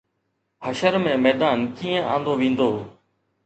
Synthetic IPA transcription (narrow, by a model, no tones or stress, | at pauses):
həʃəɾmẽːmɛːd̪aːnkiːə̃ʔã̰ːnd̪oːʋĩːnd̪oː